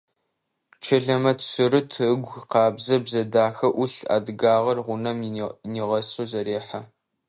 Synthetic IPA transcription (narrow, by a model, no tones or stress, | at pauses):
t͡ʃʰɐɮɐmɐtʰsɨrɨtʰɨɡʷqɑːbzɐbzɐdaːxɐʔʊɬa̰ːdɨɡaːʁɐrʁʷʊnɐmniːʁɐsozɐɾeːħa